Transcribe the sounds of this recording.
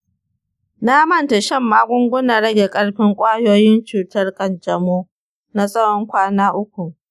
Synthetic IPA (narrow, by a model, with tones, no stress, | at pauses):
na˦mɐ˦nta˨ʃɛ˦˨mːaː˦ɡʷʊ˦ŋɡʷʊ˦na˨ɽɐ˦ɡʲe˨kʼɐ˦ɽɸɪ˦ŋkʷʼaː˦joː˦jɪ˦nt͡ʃuː˨tɐ˦rkɐ˨nd͡ʒɐ˨moː˦ | na˦sʼɐ˦ɽɔ˦ŋkʷaː˦naː˦ʔʊ˦kʷu˨